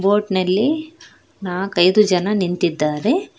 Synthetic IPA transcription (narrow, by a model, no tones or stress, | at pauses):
bo̞ːʈnɐlːi | naːkɐjd̪ud͡ʒɐnɐnint̪id̪ːaːɾe